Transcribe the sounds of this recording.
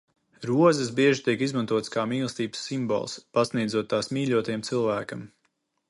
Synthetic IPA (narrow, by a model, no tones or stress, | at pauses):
ɾuɔzɛs̬biɛʒit̪iɛkizmant̪uɔt̪skaːmiːlˠst̪iːbə̥sːimbɔ̰lˠspasnijd̪zuɔt̪ːaːsmʲiːʎʲuɔt̪ajɛmt̪sɨlˠvæːkɐm